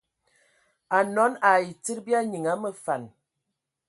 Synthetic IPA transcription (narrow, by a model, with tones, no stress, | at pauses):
a˨nɔ˨˦na˨i˨t͡si˦ɾbi˦a˦ɲi˨ŋa˨˦mə˦fa˨n